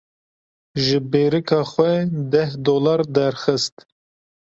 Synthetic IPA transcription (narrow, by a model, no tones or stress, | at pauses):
ʒɨbeːɾɨkʰɑːxʷɛd̪ɛhd̪oːlɑɾd̪ɛɾxɨst̪